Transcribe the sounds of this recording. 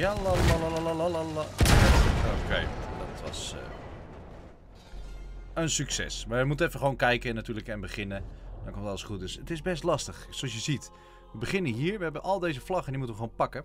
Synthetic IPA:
jalalalalalalalalaəχaəvəkʋɛjvədɔ̰tʋɑ̰sə̰ | ənsyksɛ̰smaɹʋəmutənɛfəχəʋownkɛjkənatyːələkɛnbəχɪnədɔnŋkomtɑlˠəsχut̚døsətɪzbɛstlɑstəχsoɑsjəzit | ʋəbəχɪnəɦiːɹʋəɦɛbənʔɔlˠdejzəflɑχəɛndimutənʋəxəʋownpɑkə

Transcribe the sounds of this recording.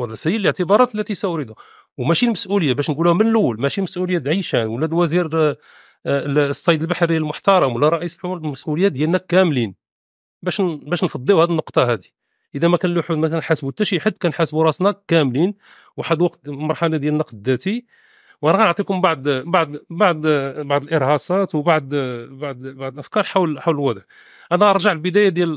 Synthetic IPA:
hælːæsæjːələʕt̪əbɑɾˤɑt̪lːæt̪isæɾid̪ʊ | wmæʃilməsʔuləjːabæʃnɡulæhmənləwːəlmæʃiməsʔuləjːaʕiʃænwlːæd̪wæziɾ | sˤːɑjd̪əlbaħɾilmʊħt̪ɑɾˤɑmwəlːæɾˤɑʔisulmæsʔuləjːad̪jælnækːæmlin | bæʃbæʃnfɑd̪ˤːiuhæd̪iənːʊqt̪ˤɑhæd̪i̥ | ʔəd̪æmækænluħud̪mækænħasbut̪ːæʃiħad̪ːkænħasbuɾˤɑsnɑkːæmlin | wħad̪wɑqt̪mɑɾˤħɑnæd̪jælnːɑqd̪d̪ːæt̪i | wʔænæɣænəʕt̪ˤikʊmbaʕd̪baʕd̪baʕd̪baʕd̪əlʔəɾhɑsɑt̪wbaʕd̪baʕd̪baʕd̪əlʔæfkɑɾˤħawlħawləlwɑd̪ˤəʕ | ʔænæʔɑɾˤʒaʕlbəd̪æjad̪jæl

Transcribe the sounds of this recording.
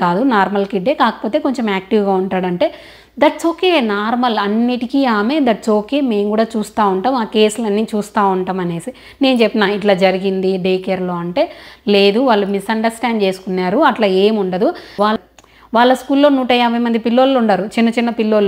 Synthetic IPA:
kaːd̪unaːɾmɐlkiɖeːkaːkɐ̥po̞ːt̪e̞ːko̞ɲt͡ʃemaːk̚ʈiʋɡaːuɳʈaːɽɐɳʈe̞ː | d̪ɐʈsoːkenaːɾmɐlɐnːiʈikiːaːmeːd̪ɐʈsoːkeːme̞ːmkuːɽaːt͡ʃuːst̪aːuɳʈaːmaːke̞ːsulɐnːiːt͡ʃuːst̪aːuɳʈaːmɐne̞ːsi | ne̞ːnut͡ʃepːinaːiʈ̬laːd͡ʒɐɾiɡind̪iɖeːkeɾlo̞ːɐɳʈe̞ːle̞ːd̪uʋaːɭːumisɐɳɖɐɾsʈaːɳɖt͡ʃe̞ːsu̥kunːaːɾuɐʈlaːeːmuɳɖɐd̪uʋaːl | ʋaːɭːɐskuːlːo̞ːnuːʈɐjaːbʱɐjmɐnd̪ipilːo̞ːloːuɳɖaːɾut͡ʃinːɐt͡ʃinːɐpilːo̞ːl

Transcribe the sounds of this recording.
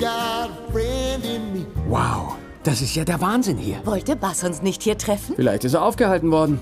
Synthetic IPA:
ɡ̥ɑd̚bɹɛndɪ̃nmiwa̰ʊ | d̥asɪstjaːdeːɐvaːnzɪnhiːɐvɔltəbasʊnsnɪçthiːɐtʁ̥ɛfn̩fɪlaɪçtɪst̬eːɐʔaʊfɡ̥əhaltn̩vɔɐdn̩

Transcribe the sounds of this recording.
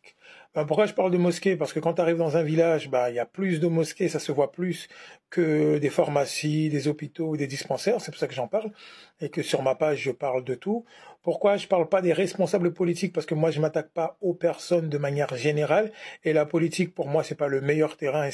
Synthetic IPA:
bɛ̃p̬uʁkwaʒəpaʁld̪əmɔskʲepaʁsə̥kəkɑ̃t̪yaʁivd̪ɑ̃zɛ̃vilaʒbailjaplys̬d̪əmɔskʲesasəvwaplyskʰəd̪efaʁmasid̪ezɔpit̪oud̪ed̪ispɑ̃sɛʁsɛpuʁsakəʒɑ̃paʁlekəsyʁmapaʒːəpaʁld̪ət̪upuʁkwaʒəpaʁlpad̪eʁɛspɔ̃sabləpɔlit̪ik̚paʁsə̥kəmwaʒəmat̪ak̚paopɛʁsɔnd̪əmanjɛʁʒeneʁalelapɔlit̪ik̚puʁmwasɛpaləmejœʁt̪eʁɛ̃

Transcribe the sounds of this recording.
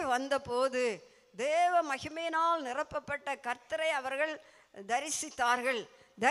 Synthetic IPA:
ʋɐnd̪ɐpoːðɯ | d̪eːʋɐmɐɣɪmɐjɪnaːlnɪrɐpːɐpːɐʈːɐkɐɾt̪ɐɾɐɪɐʋɐɾɣɐɭ | d̪ɐɾɪsɪt̪ːaːɾɣɐɭ | d̪ɐ

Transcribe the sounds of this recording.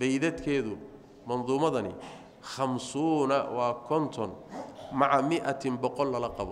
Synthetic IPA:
bɛjðɐd̪kʰɛːðʊ | mɐnðuːmɐðɐnɪ | χɑmsuːnɐwɑːkʰɔnt̪ʰɔnmɑʕamɪʔɐt̪ʰɪmbɔqɔlːɐlɐqɑβɔ

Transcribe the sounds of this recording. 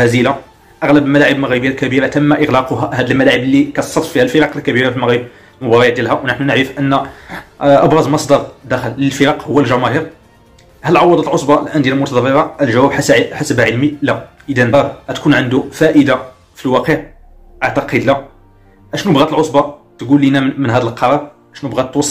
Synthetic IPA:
æzila | ʔɑɣləbəlmælaʕəblməɣɾəbəːælkæbiɾɑt̪əmːæʔəɣlɑqʊɦæhæd̪əlmælaʕəblːikæt̪sˤːɑt̪ˤːfihælfəɾɑqəlkæbiɾɑfilməɣɾəb | mʊbɑɾˤɑjæd̪jælɦæwnəħnunəʕɾəfʔənː | ʔɑbɾˤɑzmɑsˤd̪ɑɾˤd̪æxəlːəlfəɾɑqhʊwːælʒɑmæɦəɾ | hæləlʕɑwːɑd̪ˤɑt̪əlʕosˤbɑəlʔænd̪jæləlmʊt̪ɑd̪ˤɑɾːiɾˤɑəlʒæwæbħħasəbʕəlmilæʔəd̪ænɾˤæt̪kunʕənd̪ufæʔəd̪a | filwɑqəʕ | ʔaʕt̪ɑqəd̪læ | ʔæʃnubɣæt̪əlʕosˤbɑ | t̪ɡulːinæmənɦæd̪əlqɑɾˤɑɾˤʔæʃnubɣæt̪ːwɑsˤː

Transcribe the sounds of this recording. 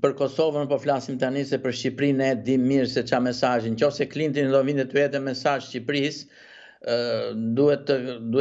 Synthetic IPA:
pəɾkɔsɔvənupɔflasimt̪anisɛpəɾʃcipɾinɛd̪imiɾsɛt͡ʃamɛsaʒincɔsɛklint̪ind̪ɔvind̪ɛt̪yɛt̪ɛmɛsaʒʃcipɾis | d̪uhɛt̪ːəd̪u

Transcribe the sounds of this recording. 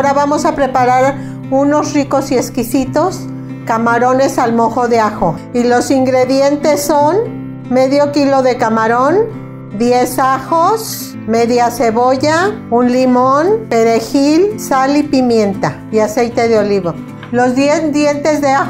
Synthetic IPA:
ɾaβamo̞sapɾe̞paɾaɾ | uno̞sriko̞sie̞skisit̪o̞s | kamaɾo̞ne̞salmo̞xo̞ðeaxo | ilo̞siŋɡɾe̞ðje̞nt̪e̞sːo̞n | meðjo̞kilo̞ðe̞kamaɾo̞n | d̪je̞saxos | meðjase̞βo̞ʝaunlimonpe̞ɾexilsalipimje̞nt̪a | iase̞jt̪e̞ðeo̞liβo | lo̞zðjed̪jent̪e̞zðea

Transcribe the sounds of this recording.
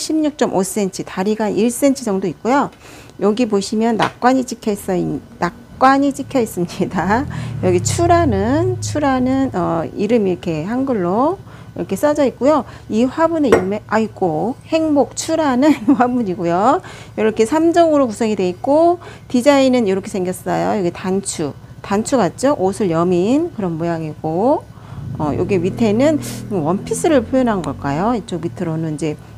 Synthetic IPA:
ɕʰimɲuk̚t͡ɕ͈ʌmʔos͈e̞nt͡ɕʰɯtaɾiɡanʔiɭs͈e̞nt͡ɕʰɯd͡ʑʌŋdoik̚k͈ojo | jʌɡipoɕʰimjʌnːa̰k͈waɲit͡ɕikʰjʌis͈ʌinakk͈waɲit͡ɕikʰjʌis͈ɯmɲidajʌɡit͡ɕʰuɾanɯnt͡ɕʰuɾanɯnʌiɾɯmiɾʌkʰe̞haŋɡɯɭːo | iɾʌkʰe̞s͈ad͡ʑʌik̚k͈ojo | iɸwabune̞iɾɯme̞aiɡohe̞ŋbok̚t͡ɕʰuɾanɯnɸwabuɲiɡojojʌɾʌkʰe̞sʰamd͡ʑʌɡɯɾokusʰʌŋidwe̞ik͈otid͡ʑainɯnjʌɾʌkʰe̞sʰe̞ŋɡjʌs͈ʌjojoɡitant͡ɕʰu | tant͡ɕʰuɡat̚t͡ɕ͈oʔosʰɯɭjʌminkɯɾʌnmojaŋiɡ̥o | ʌ̰jʔo̰ɡiemɥitʰenɯnowʌnpʰis͈ɯɾɯɭpʰjojʌnɦanɯnɡʌɭk͈ajoit͡ɕ͈omitʰɯɾonɯnid͡ʑe̞

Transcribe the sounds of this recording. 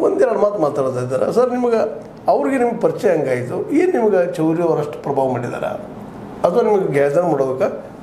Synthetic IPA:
ʋond̪ɛɾɐɽɐmaːt̪maːt̪aːɽt̪aːjid̪aːɾḛsɐɾnimɐɡe | ɐʋɐɾiɡenimɐɡɐpɐɾit͡ʃɛjɐɐŋɡaːjit̪ueːnnimɐɡɐt͡ʃɐwɾijɐʋɐɾɐʂʈɐ̥pɾɐbʱaːʋɐmaːɽid̪a̰ːɾḛ | ɐt̪ʋɐnimɐɡeɡaːd͡ʒɐɾmaːɽoːd̪ɐkːa

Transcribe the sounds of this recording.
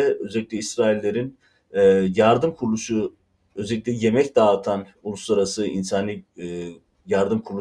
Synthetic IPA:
ɛø̞zɛlʲiclʲɛisɾaːilʲːe̞ɾin | jaɾd̪ɯmkʰuɾlˠuʃu | ø̞zɛlʲic̚lʲɛje̞mɛcd̪aːɯt̪ʰan | ulˠuslˠaɾasɯḭnsaːnɯ | jaɾd̪ɯmkʰuɾlˠu

